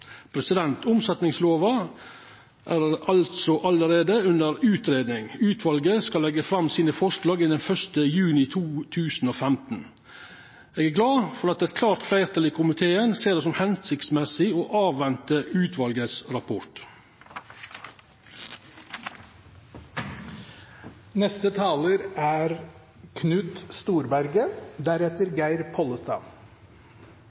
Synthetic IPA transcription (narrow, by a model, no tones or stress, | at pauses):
pʰɾɛsɪd̪ɛnt̪ʊmsɛt̪nɪŋsloːʋɑ | ʔæːɾɑlt̪sɔʔɑləɾeːd̪əʉnəɾʉːt̪ʰɾeːd̪nɪŋʉːt̪ʰʋɑlɡəskɑlːɛɡəfɾɑmsiːnəfɔʂlɑːɡɪnd̪ɛnfœʂt̪əjʉːnɪt̪ʰuːt̪ʰʉːsn̩oːfæmt̪n̩ | eːɡæɾɡlɑːfɔɾɑt̪ɛt̪kʰlɑːɾt̪flæɪɾt̪ʰɑliːkʰʊmɪt̪ʰeːənseːɾd̪ɛːsɔmhɛnsɪkt̪smɛsɪoːʔɑːʋʋɛnt̪əʔʉːt̪ʰʋɑlɡəsɾɑpʰɔʈ | nɛst̪ət̪ʰɑːləɾæːɾ | kʰnʉt̪st̪uːɾbæɾɡəd̪æɾɛt̪əɾɡæɪɾpʰɔləst̪ɑ̰ː